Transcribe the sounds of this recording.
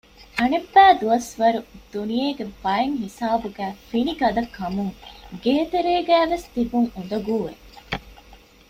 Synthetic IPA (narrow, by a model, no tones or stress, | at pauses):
ʔɐnebːæːd̪uɐsʋɐɾud̪̥ːunijeːɡebɐeŋɦisaːbuɡæːfiniɡɐd̪ɐkːɐmuŋɡeːt̪eɾeːɡæːʋest̪ibuŋund̪ɐɡuːʋḛ